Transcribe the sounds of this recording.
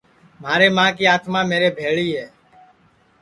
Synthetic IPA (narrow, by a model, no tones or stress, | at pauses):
m̤aːɾeːmãːkiːaːt̪mãːmeːɾeːbʱeːɭiːɦɛː